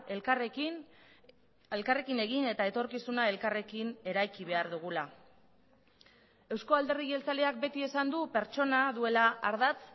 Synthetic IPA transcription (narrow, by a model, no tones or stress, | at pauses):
elr | e̞lkare̞kine̞ɣine̞t̪ae̞t̪o̞ɾkisunae̞lkare̞kine̞ɾajkiβ̞e̞aɾðuɣ̞ula | e̞wsko̞ald̪e̞riɣe̞lt͡saleak̚be̞t̪ie̞sand̪upe̞ɾt͡ʃo̞naðue̞laʔːɾðat͡s